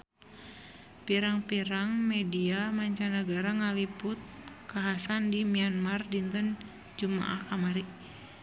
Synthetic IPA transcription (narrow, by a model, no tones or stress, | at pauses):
piɾaŋpiɾaŋmɛdiamaɲt͡ʃanaɡaɾaŋalipʊt̪̚kaɦasandimianmardint̪ən | d͡ʒuma̰ʔahkamaɾiʔ